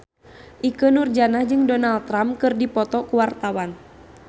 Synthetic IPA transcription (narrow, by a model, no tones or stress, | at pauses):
ʔikənurd͡ʒanahd͡ʒɨŋdɔnalt̪ːɾampkɨrdipɔt̪ɔkuwart̪awan